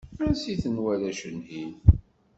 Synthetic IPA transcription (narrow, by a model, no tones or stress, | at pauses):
ænsiθənwælæʃənhin